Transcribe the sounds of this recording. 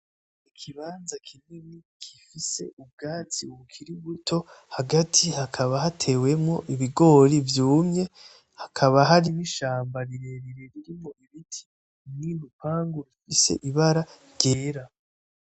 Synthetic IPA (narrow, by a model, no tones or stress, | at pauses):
ikʰiβaːnzakʰinini | kʰifise̞̰ub̚ɡaːt͡siuukʰiɾiβutʰo̞ | haɡatʰihakʰaβaɦatʰe̞we̞mŋo̞ʔiβiɡo̞ɾivjuːmɲe̞ | hakʰaβaɦaɾiniʃaːmbaɾiɾe̞ɾiɾeɾiɾimŋo̞ʔiβitʰi̥ | ninupaːŋɡuɾifise̞̰ʔiβaɾaɾɟe̞ːɾa